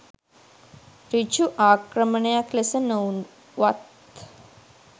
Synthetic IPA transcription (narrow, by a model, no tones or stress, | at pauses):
ɾit͡ʃuʔaːkɾɐmɐɳɐjaklɐsɐnown | ʋɐt̪